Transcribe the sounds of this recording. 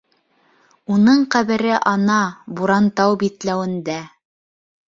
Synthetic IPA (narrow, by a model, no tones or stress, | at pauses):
unɤɴqæβɘ̆ɾɘʔɑnɑbuɾɑnt̪ɑwbit̪læwɘ̆nd̪æ